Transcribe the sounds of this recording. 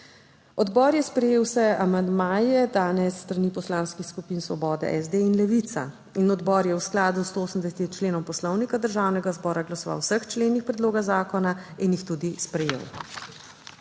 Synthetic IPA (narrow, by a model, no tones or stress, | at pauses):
ɔd̪bɔːɾjɛspɾɛjeːwsɛamand̪maːjɛd̪aːnɛsːt̪ɾaniːpɔslaːnskixskupiːnsʋɔ̰bɔːd̪ɛ̰ʔɛzd̪einlɛʋit̪sa̰ | inɔd̪bɔːɾjɛwsklaːd̪ust̪oːsəmd̪ɛsɛt̪it͡ʃleːnɔmpɔslɔwnikad̪əɾʒaːwnɛɡazbɔːɾaɡlasɔʋa̰wsəxt͡ʃleːnixpɾɛd̪loːɡazaːkɔnainjixt̪ud̪ispɾɛjḛw